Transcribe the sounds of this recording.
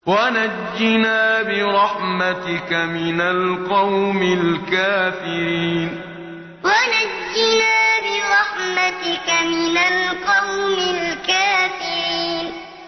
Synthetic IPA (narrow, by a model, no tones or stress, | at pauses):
wanad͡ʒːɪnaːbɪɾˤɑħmat̪ɪkamɪnalqɑwmɪlkaːfɪɾiiːn | wanad͡ʒːɪnaːbɪɾˤɑħmat̪ɪkamɪnalqɑwmɪlkaːfɪɾiːn